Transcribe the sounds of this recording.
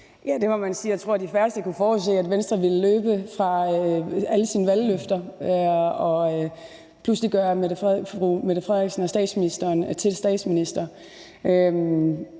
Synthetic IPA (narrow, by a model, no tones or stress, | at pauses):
jæd̥e̝mɒmænsiːjat͡sʰʁo̝ɐ̰d̥ifɶɐsd̥əkufɒːs̬e̝̰ːæd̥ʋensd̥ʁɐʋiləløːb̥əfʁɑ̈øæləsiːnəʋælːøfd̥ɐ | ɒ̽ | pʰlusliɡ̥ɶɐmeʁumeð̥əfʁɛðˠeɡ̥sn̩ɒsd̥ɛ̰ːd̥sminisd̥ɐːnt͡sʰe̝lsd̥ɛ̰ːd̥sminisd̥ɐ | øm